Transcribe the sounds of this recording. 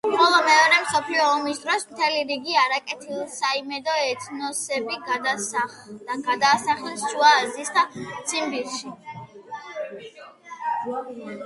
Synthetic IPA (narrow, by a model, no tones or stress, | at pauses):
bɔlˠɔmɛɔɾɛmsɔpʰliɔːmisd̪ɾɔsmt̪ʰɛliɾiɡiaɾakʼɛt̪ʰilˠsaimɛd̪ɔɛt̪ʰnɔsɛbiɡad̪a | d̪aɡad̪aːsaχisʃuaːzisd̪at̪sʰimbiɾʃi